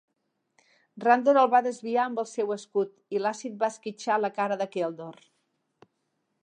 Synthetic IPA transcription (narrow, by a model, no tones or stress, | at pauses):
rand̪oɾəlˠβaðəzβiaəmbəlˠsɛwəskut̪ilasit̪̚baəskit͡ʃaləkaɾəðəkelˠd̪or